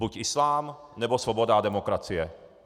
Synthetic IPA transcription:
bucislaːmnɛbɔslɔbɔd̪ad̪ɛmɔkɾat͡siɛ

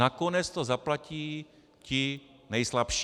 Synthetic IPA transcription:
akonɛt͡st̪ozaplaciː | cɪ | nɛjslapʃ

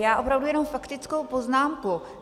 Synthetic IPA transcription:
jaːʔo̞pɾavdujɛnomfakt̪ɪt͡skowpo̞znaːmku

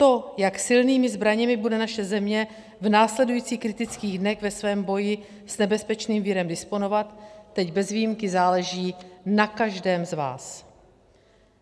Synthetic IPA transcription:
t̪o̞jaksɪlniːmɪzbɾaɲɛmɪbudɛnaʃɛzɛmɲɛ | vnaːslɛdujiːt͡siːxkɾɪt̪ɪt͡skiːɣdnɛɣvɛsvɛːmbo̞jɪ | snɛbɛspɛt͡ʃniːmvɪɾɛmdɪspo̞no̞vat̪ːɛɟbɛzvijimkɪzaːlɛʒiːnakaʒdɛːmzva̰ːs

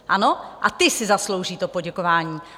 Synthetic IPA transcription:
ʔano̞ʔat̪ɪsɪzaslo̞wʒiːt̪o̞po̞ɟɛko̞vaːɲiː

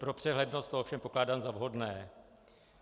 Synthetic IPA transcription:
pɾo̞pr̥ɛɦlɛdno̞st̪oofʃɛmpo̞klaːdaːmzavɦo̞dnɛː

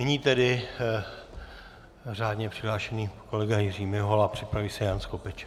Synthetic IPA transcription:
nɛɲiːt̪ɛdɪ | r̝aːdɲɛpr̥ɪɦlaːʃɛniːko̞lɛɡajɪriːmɪɦolapr̝̥ɪpɾaviːsɛjanskopɛt͡ʃ

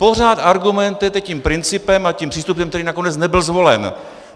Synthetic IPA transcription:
po̞r̝aːt̪aɾɡumɛnt̪ɪt̪ɛciːmpɾɪnt͡sɪpɛmacimpr̥iːst̪upɛmkt̪ɛɾiːnako̞nɛt͡snɛbɪlzvo̞lɛn

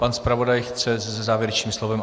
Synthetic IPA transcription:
panspɾavo̞dajxt͡sɛzɛzɛzaːvjɛɾɛt͡ʃɲiːmslovɛm

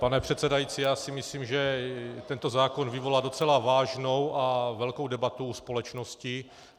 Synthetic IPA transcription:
panɛpr̥ɛt̪sɛdajit͡sijaːsɪmɪsliːmʒɛt̪ɛnt̪o̞zaːko̞nvɪvo̞lado̞t͡sɛlavaːʒno̞wʔavɛlko̞wdɛbat̪uuspo̞lɛt͡ʃno̞scɪ

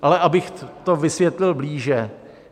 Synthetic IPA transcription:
ʔalɛʔabɪxt̪ovɪsvjɛt̪lɪlbliːʒɛ

